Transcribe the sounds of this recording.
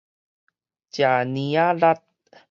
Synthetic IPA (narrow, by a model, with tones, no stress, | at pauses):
ca˨nia˦ɾa˦t̪̚